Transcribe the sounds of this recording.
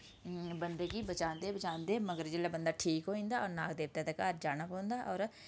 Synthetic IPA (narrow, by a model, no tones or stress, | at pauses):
bənd̪eːkibət͡ʃãːnd̪eːbət͡ʃãːnd̪eːməɡəɾd͡ʒɪlabənd̪aːʈʰiːkɦoːĩːnd̪aːɔːɾnaːkd̪eːʋ̚t̪at̪ɛkaːɾd͡ʒaːnapɔ̃ːnd̪aːʔɔːɾ